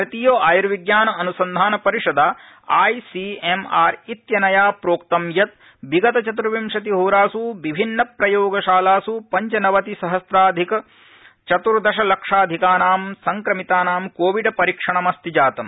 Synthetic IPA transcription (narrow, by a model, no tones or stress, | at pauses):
ɾɐt̪iːjoːʔaːjɐɾʋiɡjaːnɐɐnusɐnd̪ʱaːnɐpɐɾiʂɐd̪aː | aːjsiemaːɾit̪jɐnɐjaːpɾoːkt̪ɐmjɐt̪̚ | biɡɐt̪ɐt͡ʃɐt̪uɾʋimʂɐt̪̬iɦoːɾaːsuʋibʱinːɐpɾɐjoːɡɐʃaːlaːsupɐɲt͡ʃɐnɐʋɐt̪isɐɦɐsɾaːd̪ʱikɐ | t͡ʃɐt̪uɾd̪ɐʃɐlɐkʂaːd̪ʱikaːnaːmsɐŋkɾɐmit̪aːnaːmkoːʋiɖpɐɾikʂɐɳɐmɐst̪id͡ʒaːt̪ɐm